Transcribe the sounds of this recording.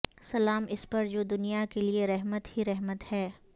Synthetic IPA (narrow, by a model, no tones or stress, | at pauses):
sɐlaːmɪspɐɾd͡ʒoːd̪ʊnijakelieɾɛɦmət̪hiɾɛɦmət̪hɛː